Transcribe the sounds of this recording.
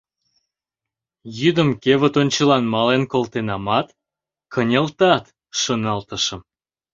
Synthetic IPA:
jyd̪əmkeβə̆t̪onʲt͡ɕəlɑnmɑlenkolt̪enɑmɑt̪ | kənʲelt̪ɑt̪ | ʃonɑlt̪əʃə̆m

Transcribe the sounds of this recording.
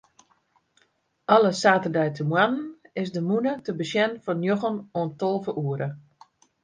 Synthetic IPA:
ʔɔlˠəsaːtərdɛjtʰəmwannɪsdəmunətəbəsjɛnfɔnjoɣənoəntolˠvəʔuəɾə

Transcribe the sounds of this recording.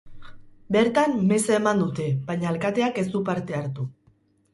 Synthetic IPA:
be̞ɾt̪amːeseemand̪ut̪e̞βajɲalkat̪e̞ake̞zd̪upaɾt̪e̞aɾt̪u

